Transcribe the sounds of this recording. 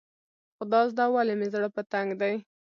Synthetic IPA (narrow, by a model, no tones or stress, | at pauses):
xod̪ɑzd̪ɑwalɪmezɽəpət̪aŋɡd̪aj